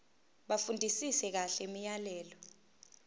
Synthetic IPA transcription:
ɓafundʱisisɛk̬aɬɛemijalɛːlɔ

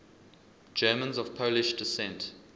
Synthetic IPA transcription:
d͡ʒɜːmə̃nzɔv̥pʰoʊlɪʃdɪsɛ̃nt

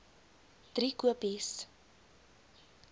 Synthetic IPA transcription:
d̥rikuəpis

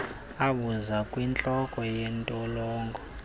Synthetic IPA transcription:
aɓuzakʼwint͡ɬʼɔkʼɔjɛntʼɔlɔːŋɡʱɔ

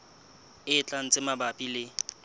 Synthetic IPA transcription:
ɪt͡ɬʼan̩t͡sʼɪmabapʼilɪ

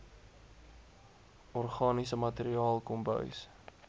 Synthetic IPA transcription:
ɔrχɑːnisəmɐteɾiɑːlˠkɔmbœ̰ɥs

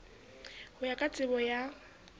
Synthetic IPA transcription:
hʊjakʼat͡sʼɪbɔja

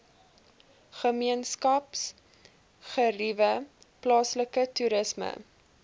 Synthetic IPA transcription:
χəmiənskɐps | χərivə | plɑːsləkətuɾəsmə̰

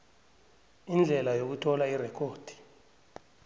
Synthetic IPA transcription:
ind͡ɮʱɛlajok̬utʰɔlairɛkʰoːd̥ʱi̥

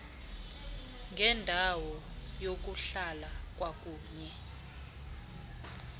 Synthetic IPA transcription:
ŋɡʱɛndʱawɔjok̬uɬalak̬ʼwak̬ʼuːɲɛ

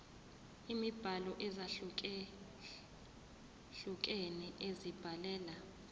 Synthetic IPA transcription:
imib̥ʱalɔʔɛza | ɬuk̬ʼeniʔezib̥ʱalɛːla

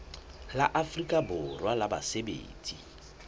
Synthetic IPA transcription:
la̰ʔafrikʼabʊrwalaba̰sebḛːt͡sʼi

